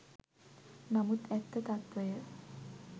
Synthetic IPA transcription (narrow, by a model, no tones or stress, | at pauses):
namut̪ɛt̪ːət̪at̪ʋəjə